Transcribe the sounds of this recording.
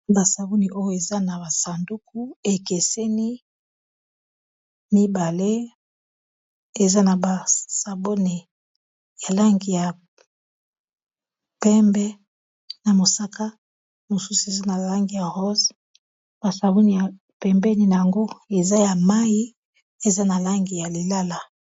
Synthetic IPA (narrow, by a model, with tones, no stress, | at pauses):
ba˨sa˨bo˦ni˨ʔo˦jo˦˨e˨za˦na˨ba˨sa˨ndu˦ku˦e˨ke˨sɛ˦ni˦ | mi˦ba˨le˦ | e˨za˦na˨ba˨sa˨bo˦ni˨ | ja˨la˦ŋɡi˨ja˨ | pɛ˦mbɛ˦ | na˨mo˨sa˦ka˦ | mo˨su˦su˨e˨za˦na˨la˦ŋɡi˨ja˨ʁo˦z | b̥a˨sa˨bo˦ni˨ja˨ | pɛ˨mbɛ˦ni˦na˨ja˨ŋɡo˦e˨za˦ja˨ma˦ji˦ | e˨za˦na˨la˦ŋɡi˨ja˨le˨la˦la˨